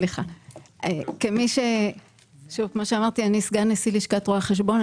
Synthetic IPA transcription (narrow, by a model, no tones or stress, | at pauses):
liχaʔekemiʃe | ʃuvkmoʃeamaʁt̪ianiːsɡaʁnesiliʃkat̪ʁoaχe̞ʃ̬bo̞n